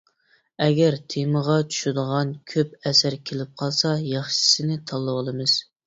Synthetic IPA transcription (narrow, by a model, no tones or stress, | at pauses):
ɛɡʲæɾt̪ʰeməʁɑt͡ʃʰu̥ʃud̪əʁɑnkʲʰøp̚ɛsæɾkʲʰelɪp̚qʰɑlˠsɑjɑχʃɪ̥sɪnɪt̪ʰɑlˠːəwɑlˠɨmɨz̥